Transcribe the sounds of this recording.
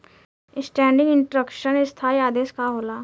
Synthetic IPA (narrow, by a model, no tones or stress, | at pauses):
ɪsʈɛ̃ːɳɖɪ̃ŋɡɪ̃ɳʈɾəkʃənɪst̪ʰaːiaːd̪eːskaɦoːlaː